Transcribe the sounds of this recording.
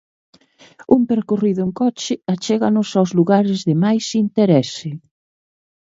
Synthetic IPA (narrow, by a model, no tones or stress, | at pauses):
umpeɾkoriðʊŋkɔt͡ʃɪat͡ʃɛɣanʊsawzluɣaɾɪzðɪmajsint̪eɾɛsɪ